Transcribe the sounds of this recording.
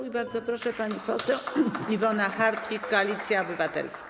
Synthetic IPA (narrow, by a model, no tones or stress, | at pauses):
ibaɾd̪zɔpɾɔʂɛpaɲipɔsɛwivɔnaxaɾt̪fʲikkːɔalʲit̪sʲjaɔbɘvat̪ɛ̰lsk